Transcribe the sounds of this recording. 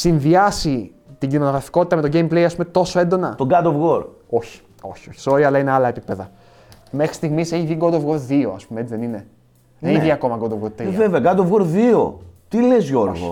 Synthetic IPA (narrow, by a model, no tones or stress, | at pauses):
sinðiɐsi | t̪iɟino̞ɣɾɐfi̥ko̞t̪i̥t̪ɐme̞t̪o̞ɟejmplejɐspume̞t̪o̞so̞e̞nd̪o̞nɐt̪oɡɐd̪ovɣoɾ | o̞çi̥ | o̞̰çi̥o̞çi̥so̞ɾiɐlɐineɐlɐe̞pipe̞ðɐ | me̞xɾi̥st̪iɣmise̞çiðiɡo̞d̪ovɣo̞ɾðio̞ɐspumeet͡siðenine̞ | eçiðiɐko̞mɐɡo̞d̪ovɣoɾt̪ɾveveɐɡɐd̪ovɣoɾðio̰t̪ilezʝo̞ɾɣo̰